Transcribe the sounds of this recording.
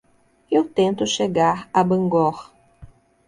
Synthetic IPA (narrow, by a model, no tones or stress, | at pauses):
ewt̪ẽnt̪ʊʃeɡaɾabɐ̃ŋɡɔɾ